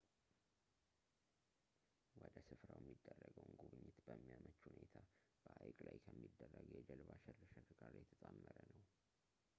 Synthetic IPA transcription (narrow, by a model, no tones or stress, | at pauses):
wɔd̪əsɨfɾawjɛmːid̪ːərːəɡəwnɡuβɨɲːɪt̪bəmːijamət͡ʃːhunet̪ʰa | b̥əʔajkʼlajkʰəmːid̪ːərːəɡjɛd͡ʒəlbaʃɛrːɨʃəɾɡaɾjɛt̪ʰət̪ʼamːəɾənəw